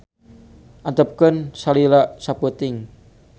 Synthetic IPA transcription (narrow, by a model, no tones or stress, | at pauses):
ʔant̪əp̚kənsalilaʔsaput̪ɪŋ